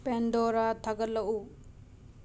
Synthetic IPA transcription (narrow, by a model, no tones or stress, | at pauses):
pendɔɾatʰaɡɐt̚lɐʔu